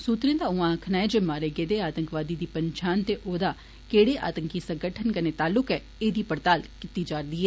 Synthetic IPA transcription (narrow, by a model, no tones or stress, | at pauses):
suːt̪ɾẽːd̪aːʊãəkʰnaːɛd͡ʒeːmaːɾeːɡeːd̪eaːt̪əŋkʋaːd̪iːd̪iːpəɲt͡ʃʰaːnt̪eʔoːd̪aː | keːɽeːʔa̰ːt̪əŋkiːsə̃ŋɡəʈʰənkəneːt̪aːlːʊkɛː | eːd̪iːpəɾt̪aːlkit̪iːd͡ʒaːɾd̪iːɦɛː